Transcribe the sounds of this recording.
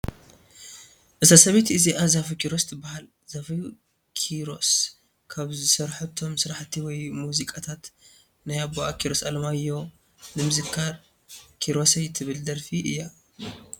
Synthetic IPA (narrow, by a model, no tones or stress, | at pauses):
ʔɨzasɐβet̪ɨziʔazafkiɾost̪ʰɨbahal | zafi | kʰiɾo̞s | kʰaβzɨsɐɾħut̪ʰo̞msɨɾaħt̪ʰiwɔjmuzikʼat̪ʰat̪ | najaboakʰiɾo̞salɐmajo̞ | nɨmɨzɨkʰːaɾ | kʰiɾo̞sɐjt̪ʰɨβɨld̪ɐɾfiʔɨ̰jːa